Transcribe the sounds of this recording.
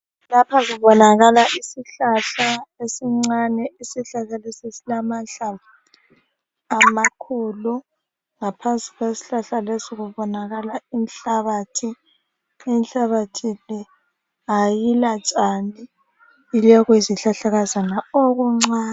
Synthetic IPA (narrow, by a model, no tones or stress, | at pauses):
lapʰaziβɔnaɣalaʔisiɬaɬaesiŋ͡ǀanɛisiɬaɬalesisilamaɬa | amakʰɔːlɔ | ŋapʰansʼi̥ɣwesi̥ɬaɬalesiɣuβɔnaɣalain̩ɬaβatʰiː | nɬaβatʰilɛ | ajilat͡ʃʼani | ilɛɣwiziɬaɬaɣazanaoɣuŋ͡ǀaː